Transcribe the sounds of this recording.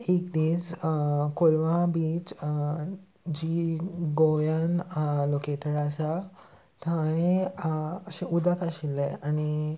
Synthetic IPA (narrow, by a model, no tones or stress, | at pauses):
ekd̪id͡zkolʋãbit͡s | d͡ʑiɡojanlokeʈəɾasa | t̪ʰãe | əɕẽʔud̪akaɕilːeañi